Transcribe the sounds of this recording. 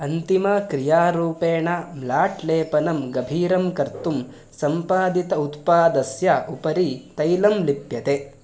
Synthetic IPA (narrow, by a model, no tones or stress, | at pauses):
ɐnt̪imɐkɾijaːɾuːpeːɳɐmlaːʈʰleːpɐnɐmɡɐbʱiːɾɐmkɐɾt̪um | sɐmpaːd̪it̪ɐut̪paːd̪ɐsjɐʔupɐɾit̪ɐjlɐmlipjɐt̪e